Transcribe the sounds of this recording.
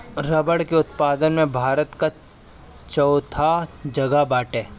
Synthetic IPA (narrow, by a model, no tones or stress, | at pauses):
ɾɐbəɽkeʊt̪paːd̪ənmẽbʱaːɾət̪ka | t͡ʃɔʊt̪ʰad͡ʒɐɡabaːʈeː